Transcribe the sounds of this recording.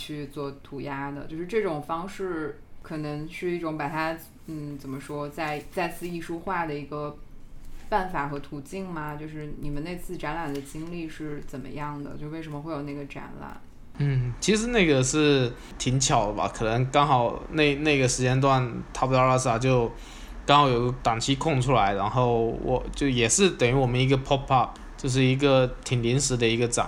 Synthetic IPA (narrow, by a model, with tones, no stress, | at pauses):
t͡ɕʰy˥˧t͡swɔ˥˩t̪ʰu˧˥ja˥d̪ə̰˨t͡ɕjo˥˧ʊʂɻ̩˥˧ʈ͡ʂɤ˥˩ʈ͡ʂʊ˨˩ŋfɑ˥ŋʂɻ̩˥˩ | kʰɤ˨˩nɤ˧˥ŋʂɻ̩˥˧i˥˩ʈ͡ʂʊ˧˥ŋpa˨˩t̪ʰa˥ | n̩˥˩t͡sə˨˩nmə˦ʂwɔ˥t͡sa˥˧ɪt͡sa˥˧ɪt͡ssʰɹ̩˥˧i˥˩ʂu˥xwa˥˩d̪ə˩i˧˥ɡə˧ | pa˥˩nfa˨˩xɤ˧˥t̪ʰu˨˩t͡ɕi˥˩ŋmɐ˩t͡ɕjo˥˧ʊʂɻ̩˥˩ni˨˩mə˦ne˥˧ɪt͡sʰɹ̩˥˩ʈ͡ʂa˧˥nla˨˩nd̪ə˦t͡ɕi˥ŋli˥˧ʂɻ̩˥˩t͡sə˨˩nmə̰˦jɑ˥˩ŋd̪ə̰˩t͡ɕjo˥˧ʂwʂə˧˥mə˧xwe˥˩ɪjo˨˩ʊne˥˩ɡə˩ʈ͡ʂa̰˧˥nla̰˨˩˦n | n̩˥˩t͡ɕʰi˧˥ʂɻ̩˧˥ne˥˩ɪɡə˩ʂɻ̩˥˩ | t̪ʰi˧˥ŋt͡ɕʰjɑ˨˩ʊd̪ə˦ba̰˧˩kʰɤ˨˩nə˧˥ŋkɑ˥ŋxɑ˨˩ʊne˥˩ɪne˥˩ɪɡə˩ʂɻ̩˧˥t͡ɕjɛ˥nt̪̬wa˥˩nt̪ʰa˥p̪ɑ˥˧˥a˥˩s̩˥a˨˧˩t͡ɕjo˥˧ʊ | kɑ˥ŋxɑ˨˧˩jo˨˩ʊɡə˧˥t̪ɑ˨˩ŋt͡ɕʰi˥kʰʊ˥˩ŋʈ͡ʂʰu˥la˧˥ɪɻa˧˥nxo˥˩ʊwɔ̰˨˩˦t͡ɕjo˥˩ʊjɛ˨˩ʂɻ̩˥˩t̪ə˨˩ŋy˧˥wɔ˨˩mə˦ni˧˥ɡə˧pʰɔ˥pʰɑ˥˧p̚ | t͡ɕjo˥˧ʊʂ̬ɻ̩˥˩i˧˥ɡə˧t̪ʰi˨˩ŋli˧˥nʂɻ̩˧˥d̪ə˧i˧˥ɡə˧ʈ͡ʂɑ̰˨˩˦